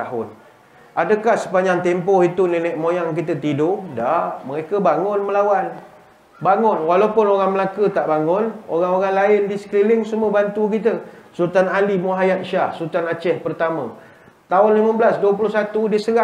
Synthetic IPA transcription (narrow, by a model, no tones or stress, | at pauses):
aɦʊn | adəkahsə̥paɲd͡ʒaŋt̪ɛmpɔhit̪uninɛʔ̚mojaŋkit̪̬ət̪idʊdahməɾekəbaŋʊnməlawan | baŋʊnwalawpʊnoɾaŋməlakət̪aʔbaŋʊno̰ɾaŋoɾaŋlaɪndisə̥klilɪŋsumuəbant̪uk̬it̪əsuɾut̪analimuɦajat̪̚ʃahsuɾut̪anat͡ʃɛhpərt̪amə̃ | t̪aʊnlimə̃bəlasduəp̬ulʊhsat̪udisəɾa